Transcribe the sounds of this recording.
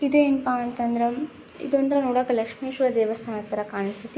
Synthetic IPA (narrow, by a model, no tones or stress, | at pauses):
id̪eːinpaɐnt̪ɐnd̪ɾɐ | ḭd̪ond̪ɐɾɐnuːɽaːkɐlɐkʂmeːʃɐɾɐd̪eːʋɐst̪ʰaːnɐt̪ːɐɾɐkaːɳist̪ʰit̪i